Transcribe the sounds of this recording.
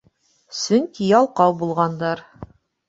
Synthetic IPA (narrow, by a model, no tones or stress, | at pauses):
sɵŋkijɑlˠqɑwbulˠʁɑnd̪ɑɾ